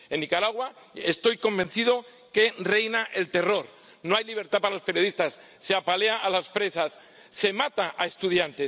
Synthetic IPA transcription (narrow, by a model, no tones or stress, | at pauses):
e̞nːikaɾaɣwa | est̪o̞jko̞mbe̞n̟θiðo̞ | ke̞re̞jnaʔe̞lt̪e̞ro̞ɾ | no̞ajliβ̞e̞ɾt̪apaɾalo̞spe̞ɾjo̞ðist̪asːe̞apale̞aʔːlaspɾe̞sasː | e̞mat̪aʔae̞st̪uðjant̪e̞s